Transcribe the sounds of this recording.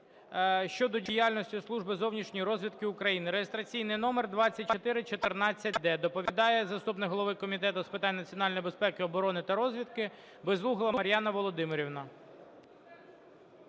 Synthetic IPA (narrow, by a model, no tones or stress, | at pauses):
ʃt͡ʃɔd̪ɔdʲijalʲnɔsʲtʲʊslˠuʒbɪzɔwnʲiʃnʲijɾɔzʲʋʲid̪kɪʊkɾɐjinɪɾejest̪ɾɐt͡sʲijnɪjnɔmerd̪ʋɑt͡sʲːɐt̚ʲt͡ʃɔt̪ɪɾɪt͡ʃɔt̪ɪrnɑt͡sʲːɐt̚ʲd̪ɛd̪ɔpɔʋʲid̪ɑjɛzɐst̪upnɪkɦɔlˠɔʋɪkːɔmʲit̪ɛt̪ʊspɪt̪ɑnʲːnɐt͡sʲiɔnɑlʲnjbespɛkɪɔbɔɾɔnɪt̪ɐɾɔzʲʋʲid̪kɪ | bɪzlˠuɦɪlˠɐɐɾʲjɑnɐʋɔlˠɔd̪ɪmɪɾʲiwnɐ